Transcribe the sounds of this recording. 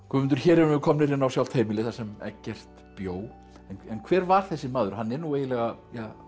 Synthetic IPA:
kʰɛmʏnt̪ʏɾ̥çɛːɾɛɾʏvɪkʰɔmnɪɾɪnːawsjawlt̪ʰeːjmɪlɪθasɛmɛ̰cːɛr̥t̪ | pjoːw | ɛnɛnkʰvɛːɾvaɾ̥θɛsːɪmaːðʏɾ̥ɦanːɛɾnueːjɪlɛɣaja

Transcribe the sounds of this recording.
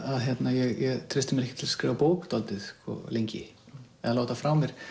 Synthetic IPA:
aðçjɛt̪najɛɣjɛɣt̪ʰɾɪst̪ɪmɛɾɛhcːɪt̪ʰɪlaskɾiːvapoːwkt̪ɔlt̪ɪðkɔ̰lejɲcɪ̰ | ɛðaloːwt̪afɾawmɛɾ̥

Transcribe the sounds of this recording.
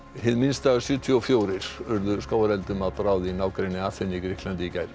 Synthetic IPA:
ɦɪðminst̪aːɣḁsjʏːt̪ʰiɔfjoːwɾɪɾ̥vʏɾðʏskaːwaɾɛlt̪ʏmaðpɾaːwðɪinaːwkɾejnːɪaθɪnːɪikɾɪhklant̪icajɾ

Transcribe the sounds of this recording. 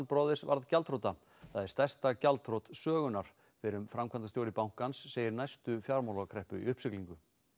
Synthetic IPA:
npɾɔðɪsva̰ɾðcalt̪ʰɾowt̪a | θaðɪɾ̥st̪ḁst̪acalt̪ɾowt̪sœːɣʏnaɾ̥ | fɪɾʏmfɾamkʰant̪ast̪joːwɾɪpawŋ̥kansːeːjɪɾnajst̪ʏfjaɾmawlaɣakʰɾɛhpʏ̰ḭʏhpsɪkliŋkʏ

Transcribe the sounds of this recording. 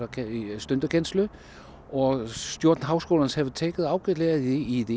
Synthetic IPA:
sd̥ønd̥əkʰenslø | ʔɒsd̥joɐ̰d̥n̩ɦɑ̈ʊsɡ̥o̝̰ːlɐnəshæʋt͡sʰeɡ̥əð̩ˠɑ̈ʊɡ̥ed̥leɐðˠide̝id̥e

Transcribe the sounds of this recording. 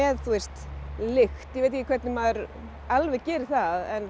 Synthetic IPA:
ɛðθuɛst̪lɪxt̪jɛvejt̪ɪcɪkʰvɛɾt̪nɪmaðɛɾ | alvɛɣcɛːɾɪ̥θaðɛn

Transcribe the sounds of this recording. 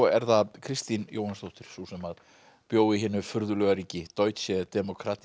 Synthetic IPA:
ɛɾθakʰɾɪst̪injoːwhanst̪owht̪ɪɾ̥susɛmað | pjoːwɪɦɪːnːʏfʏɾðʏlœːɣaɾiːcɪt̪oːɥt̪sɛd̪̥ɛmɔkʰɾat̪

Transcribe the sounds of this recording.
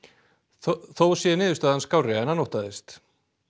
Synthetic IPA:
θowsjɛnɪːðʏst̪aːðanskaːwrɛanːanowht̪aðɪst̪

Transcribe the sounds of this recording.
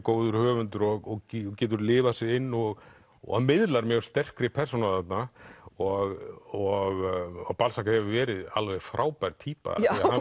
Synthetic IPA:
koːwðʏɾ̥hœːvʏnt̪ʏɾɔɣɔcɛːt̪̬ʏɾlɪːvasɪðɪnːɔɣ | ɔ̰mɪðlaɾmjɛɣ̥st̪ɛr̥kɾɪpʰɛr̥sɔnaθat̪naɔɣɔɣɔɣpalsakahɛvʏvɛːɾɪða̰lvɛjɣfɾʔaːwpajɾt̪ʰiːpa̰a

